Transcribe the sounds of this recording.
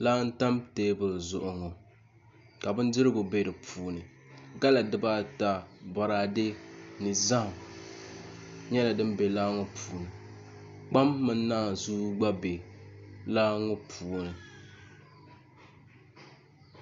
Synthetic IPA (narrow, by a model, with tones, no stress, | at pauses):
laː˦n̩˦ta˦mteː˦bɨ˨lzʊ˨ʔʊ˨ŋo˨ | ka˨bɨ˦n˦dɨ˦ɾɨ˦ɡo˨be˦dɨ˨pʰuː˨nɨ˨ | ɡa˦la˨dɨ˦ba˦ta˦ba˨ɾaː˦de˦nɨ˨za˦˨m | ɲɛ˦la˨dɨ˦m˦be˨laː˦ŋo˦pʰuː˨nɨ˨ | k͡pa˦mːɨ˦n˦naː˦˨zuː˦ɡ͡ba˦be˨ | laː˦ŋo˦pʰuː˨nɨ˨